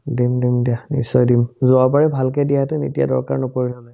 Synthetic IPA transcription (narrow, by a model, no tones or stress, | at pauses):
dimdimdianḭsːɔjdimzʊabaɹɛbʱalkɛdiatɛnḭtija̰dɔ̰ɹka̰ɹnɔpoɹinalɔj